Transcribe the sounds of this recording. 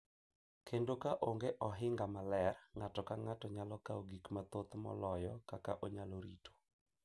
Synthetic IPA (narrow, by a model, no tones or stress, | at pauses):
kʰendokaʔoŋɡeʔɔɦɪŋɡamalɛrŋatɔkaŋatɔɲalɔkaoɡikmat̪ot̪mɔ̰lɔjɔkakaʔoɲaloɾḭtʰo̥